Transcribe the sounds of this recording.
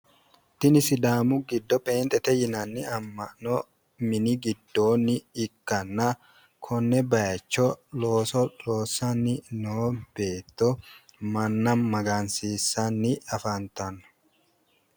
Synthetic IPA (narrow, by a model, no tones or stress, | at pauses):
t̪ɪnɪsɪd̪aːmʊɡɪd̪ːɔpeːnt̪ʼɛt̪ɛjɪnɐnːɪɐmːɐʔno | mɪnɪɡɪd̪ːoːnːɪːkːɐnːɐ | kʰɔnːɛbɐjɐt͡ʃːɔloːsɔloːsɐnɪnoːb̥eːt̪ːɔmɐnːɐmmɐɡaːnsiːsːɐnːɪɐfɐnt̪ɐnʊ̥